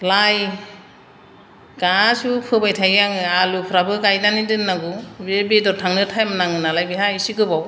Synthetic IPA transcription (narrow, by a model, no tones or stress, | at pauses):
laj | ɡ̥asupʰɯbajtʰajɡaŋɯalupʰɾabɯɡajnanidɯnːaɡubebedɔɾtʰaŋnɯtʰajmnaŋɯnalajbiɦaisikɯbaw